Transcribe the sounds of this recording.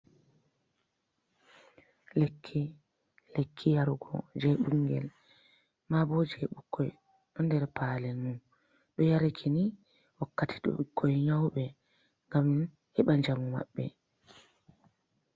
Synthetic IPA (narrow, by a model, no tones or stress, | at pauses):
lekʰːi | lekʰːijaɾuɡɔ̰d͡ʒɛɓuŋɡɛ̰l | mabɔd͡ʒɛɓukʰːɔj | ɗɔndɛɾpaːlɛmun | ɗɔjaɾakʰini | wakːatʰi̥ɗɔ̰ikʰːɔjɲawɓɛ | ŋɡam | hɛɓand͡ʒamuma̰ɓːɛ̰